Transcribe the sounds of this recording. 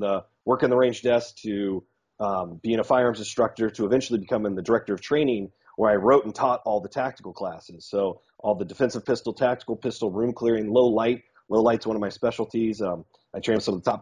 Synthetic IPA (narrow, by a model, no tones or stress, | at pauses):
ə | wɜ˞kn̩ðəɹẽɪ̃nd͡ʒdɛs̚tʰɨ | b̥iɨ̃nəfaɪə˞ə̃mzɨ̃nstɹ̥ʌk̚tə˞ɾɨɨvɛ̃nt͡ʃl̩ˠibɨkʰʌ̃mɨ̃nðɨdə˞ɛk̚tə˞ʌv̥tʰɹ̥ẽɪ̃ñɪ̃ŋ | wʔə˞aɪɹoʊɾn̩tʰɔɾɔlˠðətʰæk̚tɨ̥kl̩ˠkʰl̥æsɨz̥soʊ | ʔɔlˠðɨdɨfɛ̃nsɨv̥pʰɪstl̩ˠtʰæk̚tə̥kl̩ˠpʰɪstl̩ˠɹʉ̃mkʰl̥ɪɹɪ̃ŋloʊlaɪt̚ | loʊlaɪtswʌ̃nʌvmaɪspɛʃl̩ˠtʰiz | aɪtʰɹ̥ẽɪ̃nsʌ̃mʌvðətʰɑp̚